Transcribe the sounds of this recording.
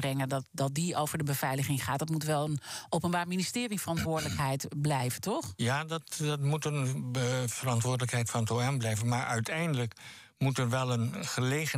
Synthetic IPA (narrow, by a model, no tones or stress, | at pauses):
brɛŋəndɑtdɑt̚diowvəɹdəbəv̥ɛjləχɪŋχaːt̚dɑtmutʋɛlˠənʔowpənbaːɹministɪːrifərɑntʋʊːɹdələkɦɛjtblɛjvətɔχjaːdɑtdɑtmutən | fərɑntʋʊːɹdələkɦɛjtfərɑntoɛmblɛjvənmaːɹʔœɥtʰɛjndələk | mutəɹʋɛlˠənχəlejχə